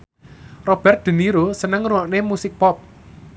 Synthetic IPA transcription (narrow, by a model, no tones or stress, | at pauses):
rɔb̥ɛ̤rt̪̚d̪̥ə̤niɾosənəŋruwaʔnemusɪk̚pɔp̚